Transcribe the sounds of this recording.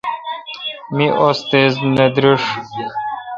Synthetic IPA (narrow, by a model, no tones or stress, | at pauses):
miʔost̪ezned̪ɾiʂ